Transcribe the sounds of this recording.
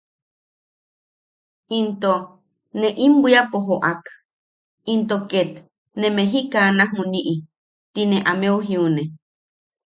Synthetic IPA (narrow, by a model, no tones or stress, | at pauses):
int̪o | nẽʔimbiapoɦoʔak | int̪oket̪ | nẽmeɦikanahmuniʔi | t̪ineʔameuɦiune